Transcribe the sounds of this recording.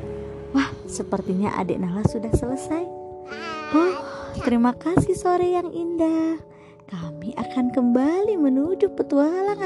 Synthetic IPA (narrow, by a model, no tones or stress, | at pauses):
wahsəpərt̪iɲa̰ʔa̰dɛ̰ʔnahlasudahsələsaj | ɔht̪əɾimakasihsoɾejaŋindah | kamiʔakankəmbalimənud͡ʒʊpːət̪ualan